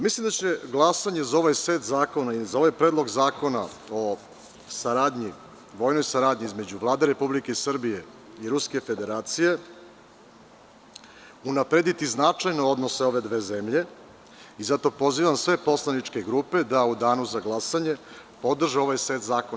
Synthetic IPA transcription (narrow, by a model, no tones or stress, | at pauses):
mislimd̪at͡ɕe̞ɡlˠasaɲe̞zao̞ʋajseːt̪zaːko̞naizao̞ʋajpɾed̪lˠo̞ɡzaːko̞na̰o̞ | saɾaːd̪ɲi | ʋo̞ːjnojsaɾaːd̪ɲiizme̞d͡ʑuʋlˠaːd̪eɾe̞publike̞isr̩bije̞ | iɾuske̞fe̞d̪e̞ɾaːt̪sije̞ | unapɾe̞d̪it̪iznat͡ʂajno̞o̞d̪no̞seo̞ʋe̞d̪ʋe̞ːzemʎe̞ | izat̪o̞po̞ziʋamsʋe̞po̞slˠanit͡ʂkeɡɾupe̞d̪aud̪aːnuzaɡlˠasaɲe̞ | po̞d̪r̩ʒeo̞ʋajse̞ːt̪zaːkon